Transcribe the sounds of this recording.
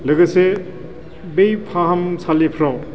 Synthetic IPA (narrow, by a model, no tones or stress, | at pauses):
lɯɡɯse | bejpʰaɦɐmsʰalepʰɾaw